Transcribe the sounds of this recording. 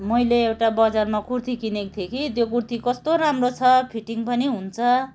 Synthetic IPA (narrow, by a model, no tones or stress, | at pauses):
mʌjleewʈabʌd͡zarmakurt̪ʰikinek̚t̪ʰjekit̪jokurt̪ʰikʌst̪oɾamrot͡sʰʌpʰiʈiŋpʌniɦunt͡sʰʌ